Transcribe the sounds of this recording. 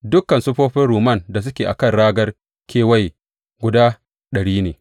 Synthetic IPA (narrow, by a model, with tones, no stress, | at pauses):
dʊ˦kːɐ˨nsʊ˦ɸoː˦ɸɪ˦nɽuː˨mɐ˦˨nda˨s̬ʊ˦kʲeː˨ʔa̰˨kɐ˦˨nɽaː˦ɡɐ˦r | kʲeː˦wɐ˦˨j | ɡʷʊ˨daː˦ | ɗɐ˨ɽiː˦neː˨